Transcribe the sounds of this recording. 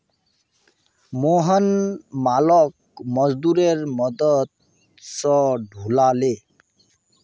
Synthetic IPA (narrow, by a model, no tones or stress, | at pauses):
moɦɔnmalɔk̚ | mɔzd̪uɾeɹmɔd̪ɔt̪̚ | sɔɖʱulale